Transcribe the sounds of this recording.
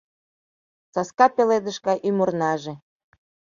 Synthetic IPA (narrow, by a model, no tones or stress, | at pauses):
t͡sɑskɑpeled̪ə̆ʃkɑjʔymornɑʒe